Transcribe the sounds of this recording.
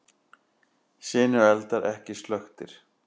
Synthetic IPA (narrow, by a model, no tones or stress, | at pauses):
sɪːnʏɛlt̪aɾʔɛhcɪst̪lœxt̪ɪɾ̥